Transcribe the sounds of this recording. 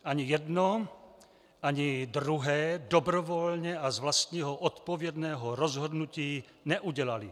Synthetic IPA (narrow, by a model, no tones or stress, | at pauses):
ʔaɲijɛdno | ʔaɲid̪ɾuɦɛːdobɾovolɲɛʔazvlast̪ɲiːɦoʔot̪povjɛdnɛːɦoɾozɦodnuciː | nɛʔuɟɛlali